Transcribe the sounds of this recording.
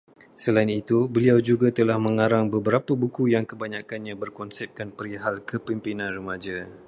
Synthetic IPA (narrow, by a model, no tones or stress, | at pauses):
səlainit̪ubəliawd͡ʒuɡat̪əlahmə̃ŋaɾaŋbəbəɾapəbukujaŋkəbaɲãkanɲãbərkɔnsɛp̚kanpəɾiɦalkəpimpinãnrəmãd͡ʒa